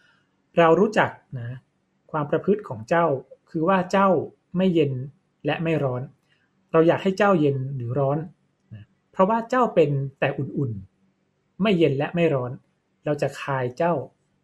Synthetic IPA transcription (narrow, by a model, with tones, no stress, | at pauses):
ɾa˧wɾuː˦˥t͡ɕa˨˩k̚na˦˥ | kʰwaː˧mpɾa˧pʰɯ˦˥t̪̚kʰɔː˩˦ŋt͡ɕa˥˩wkʰɯː˧waː˥˩t͡ɕa˥˩w | ma˥˩jːe˧n | lɛ˦˥ʔma˥˩jɾɔː˦˥n | ɾa˧wjaː˨˩k̚ha˥˩jt͡ɕa˥˩wje˧nɾɯː˩˦ɾɔː˦˥n | na˦˥ | pʰɾɔ˦˥waː˥˩t͡ɕa˥˩wpe˧nt̪ɛː˨˩ʔu˨˩nʔu˨˩n | ma˥˩jːe˧nlɛ˦˥ʔma˥˩jɾɔː˦˥n | ɾa˧wt͡ɕa˨˩kʰaː˧jt͡ɕa˥˩w